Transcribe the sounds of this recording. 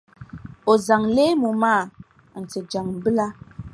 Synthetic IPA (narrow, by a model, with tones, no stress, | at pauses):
o˨za˨ŋleː˦mu˨maː˦˨ | n̩˨t͡se˨d͡ʒa˨ŋm̩˨bɨ˦la˦